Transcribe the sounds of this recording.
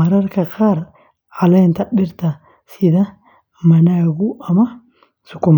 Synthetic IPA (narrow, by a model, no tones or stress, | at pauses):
ɐɾɐɾkɐkaːɾ | alɐnt̪ɐbɪɾt̪ɐ | sɪd̪ɐ | mɐnaɡuʔɐmɐ | sʊkːʊm